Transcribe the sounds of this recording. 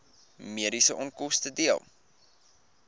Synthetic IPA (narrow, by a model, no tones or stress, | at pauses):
miəɾisəʔɔnkɔstədiəlˠ